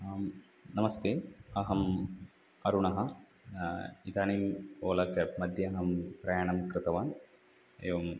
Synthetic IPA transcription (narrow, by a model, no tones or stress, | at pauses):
m | nɐmɐst̪eːɐɦɐm | ɐɾuɳɐɦɐ | it̪aːnimoːlɐkɐmɐd̪ʱjɐɐɦɐmpɾɐjaːɳɐmkɾɨt̪ɐʋaːn | ɐ̰joʋːm